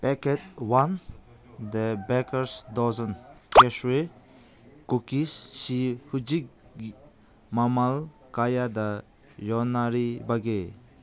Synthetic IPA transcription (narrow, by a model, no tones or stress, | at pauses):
pɛket̚wan | d̪ebɛkəɾsd̪ɔzɔnkɛʃue | kukisːihud͡ʒik̚ | mamal | kajad̪a | jɔnaɾibaɡe